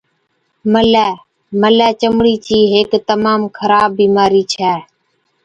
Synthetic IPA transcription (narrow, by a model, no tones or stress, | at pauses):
məlɛː | məlɛːt͡ʃəmɽiːt͡ʃiːɦeːkt̪əmaːmkʰəɾaːbːiːmaːɾiːt͡ʃʰɛː